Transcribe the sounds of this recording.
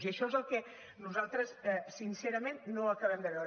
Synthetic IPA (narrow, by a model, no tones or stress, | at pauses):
ziəʃɔezəlˠkɛ | nuzalˠt̪ɾəsɛsinseɾəmenːoəkəβɛmd̪əβɛwɾ